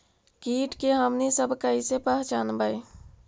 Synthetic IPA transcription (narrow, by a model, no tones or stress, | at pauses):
kiʈkeɦəmnisəbʱkəisepəɦt͡ʃaːnbəj